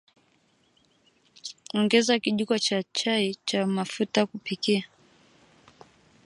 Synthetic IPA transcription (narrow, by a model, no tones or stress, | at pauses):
ɔŋɡɛzakiʄukat͡ʃat͡ʃait͡ʃamafutakupikia